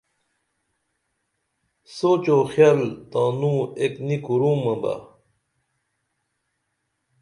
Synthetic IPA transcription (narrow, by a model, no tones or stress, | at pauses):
soːt͡ɕoxjaːlt̪ãːnũeknikuɾũːmɐ̃ba̰